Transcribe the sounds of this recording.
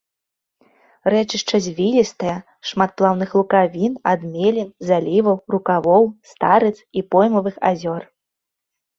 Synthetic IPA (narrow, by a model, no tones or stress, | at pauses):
rɛt͡ʂɨʂt͡ʂɐzʲvʲilʲist̪ɐjɐ | ʂmat̪̚plˠawnɨxlˠukavʲinad̪mʲelʲinzalʲivɐwrukavɔwst̪aɾɨt̪sipɔjmɐvɨxa̰zʲɔr